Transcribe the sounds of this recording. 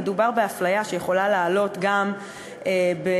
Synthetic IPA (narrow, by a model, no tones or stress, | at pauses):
edubaʁbe̞aflajaʃejeχo̞lalaːlo̞tɡam | ʔebe